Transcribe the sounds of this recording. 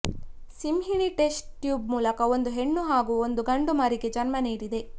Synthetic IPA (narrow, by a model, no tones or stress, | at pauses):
simɦiɳiʈe̞sʈːjuːbmuːlɐkɐo̞nd̪uɦe̞ɳːuɦaːɡuːond̪uɡɐɳɖumɐɾiɡe̞d͡ʒɐnmɐniːɽid̪e̞